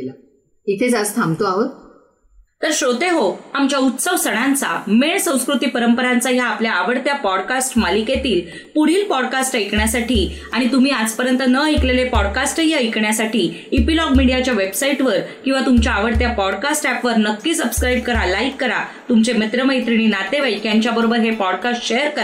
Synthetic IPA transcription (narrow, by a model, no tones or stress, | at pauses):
la | it̪ʰet͡sast̪ʰamt̪oaɦot̪ | t̪əɾɕot̪eɦoamt͡ɕjaut̪səʋsəɽ̃ãnt͡sa̰meɳsə̃w̃skɾut̪iːpəɾəmpəɾant͡saɦjaːpljaːʋəɽt̪japɔɽkasʈmalikjet̪iːl | puɽ̤iːlpɔɽkasʈəjkɳjasaʈʰiː | aɽ̃it̪um̤iːad͡zpəɾjənt̪ənəəjklelepɔɽkasʈɦiəjkɳjasaʈʰiːipilɔɡmiɽijat͡ɕjaʋebsaiʈʋəɾkĩw̃ʋat̪umt͡ɕjaːʋəɽt̪japɔɽkasʈæpʋəɾnəkːiːsəbskɾaibkəɾalaikːəɾat̪umt͡semet̪ɾəməjt̪ɾiɽ̃iːnat̪eʋəjkjaɲt͡ɕjabəɾobəɾɦepɔɽkasʈɕejəɾkəɾa